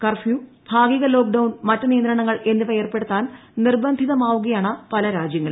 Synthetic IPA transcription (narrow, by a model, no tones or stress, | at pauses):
kɐrfju | bʱaːɡiɣɐlo̞ːk̚ɖɐwnmɐtːɐnijɐnd̪ɾɐɳɐŋːɐɭe̞nːupɐjeːrpe̞ɽut̪ːaːnnirbɐnd̪ʱiðɐmaːʋuɣɐjaːɳɐpɐlɐɾaːd͡ʑjɐŋːɐɭ